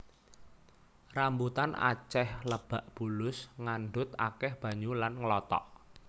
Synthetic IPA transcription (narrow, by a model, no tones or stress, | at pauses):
rambut̪ana̰t͡ʃɛhləb̥a̤ʔb̥ulʊsŋanɖʊt̪akɛhb̥ä̤ɲulanŋəlɔt̪ɔ̰ʔ